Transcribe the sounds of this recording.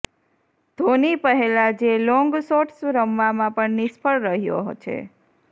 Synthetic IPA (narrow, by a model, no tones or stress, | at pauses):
d̪̥ʱonipəɦelad͡ʒelɔ̃ŋɡsoʈsɾəmʋamãpəɳnispʰəɭɾəɦjo̰ɦt͡ʃʰḛ